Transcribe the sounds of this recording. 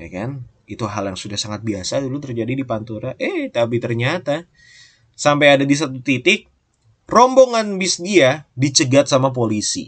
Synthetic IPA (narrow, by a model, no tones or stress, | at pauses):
ja̰kan | it̪uɦaljaŋsudahsaŋat̪̚biasadulut̪ərd͡ʒadidipant̪uɾaʔɛht̪apit̪ərɲat̪a | sampajadadis̬at̪ut̪it̪ɪk̚ | rɔmboŋanbisdiadit͡ʃəɡat̪̚samap̬olisḭ